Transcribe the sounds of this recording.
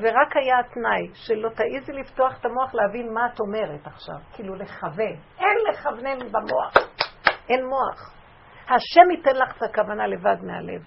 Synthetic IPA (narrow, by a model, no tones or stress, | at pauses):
veʁakhajat̪najʃelo̞taʔizilifto̞aχetamo̞aχlehavinmaːto̞me̞ʁetaχʃa̰vkiiluleχave̞nʔenleχavnemibamoaχʔenmo̞aχ | haʃemitenlaχe̥takavanale̞vadmea̰le̞̰v